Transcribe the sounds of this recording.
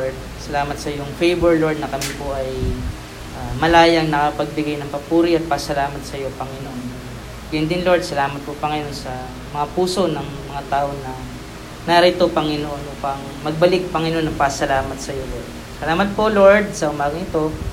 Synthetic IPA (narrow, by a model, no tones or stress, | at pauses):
ɹd̪̚ | sɐlaːmɐt̪sɐjʊŋfejbɛɹlo̞ɹd̪̚nɐkɐmipoʔɐj | ʔamɐlaːjɐŋnɐkɐpɐɡ̚bɪɡajnɐŋpɐpuːɾiɐt̪̚pɐsɐlaːmɐt̪̚sɐjo̞pɐŋɪnoʔon | ɡ̥ɐjnd̪ɪnloɹd̪̚sɐlaːmɐt̪̚popɐŋɐjo̞nsɐ | mɐŋapuːso̞nɐŋmɐŋat̪aːʔo̞nɐ | naɾɪt̪o̞pɐŋɪnoʔo̞nʔuːpɐŋ | mɐɡ̚bɐlɪk̚pɐŋɪnoonɐŋpɐsɐlaːmɐt̪̚sɐjo̞lo | sɐlaːmɐt̪̚po̞lo̞ɹd̪̚sɐʔʊmaːɡɐŋɪt̪o̞